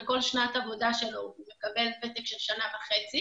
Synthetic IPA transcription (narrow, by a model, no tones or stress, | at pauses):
ko̞lʃnatavo̞daʃelomekabelbet̪ekʃelʃanavaχet͡si